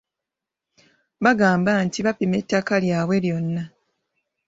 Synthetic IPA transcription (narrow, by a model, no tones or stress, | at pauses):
βaɡaːmbantiβapime̞tːakaljaːβwe̞ljo̞nːa